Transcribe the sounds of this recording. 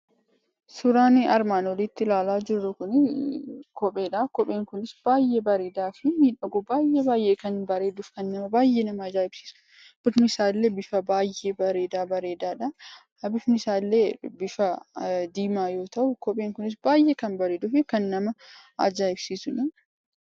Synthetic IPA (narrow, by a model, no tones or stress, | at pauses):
sʊɾaːnɐɾmaːnwɔlɪt̪ːɪlaːlaːd͡ʒɪrːʊkʊnɪ | kɔpʼe̞ːᶑɐkɔpʼeːŋkʊnɪsb̥aːjʔebɐɾeːd̪aːfɪmiːᶑɐɡɔbaːjʔebaːjʔeːkɐnbɐɾe̞ːd̪ʊfkɐnːɐmɐbaːjʔeːnɐmɐd͡ʒaːɪb̥si̥ːsʊ̥ | b̥ɪfnɪsaːlːeːbɪfɐbaːjʔeːbɐɾeːd̪aːbɐɾeːd̪aːᶑɐ | hɐbɪfnɪsaːlːeːbɪfɐd̪iːmaːjo̞ːt̪ɐʔʊkɔpʼeːŋkʊnɪs̬baːjʔekɐnbɐɾeːd̪ʊfɪkɐnːɐmɐ | ɐ̰d͡ʒaːɪbsiːsʊnɐ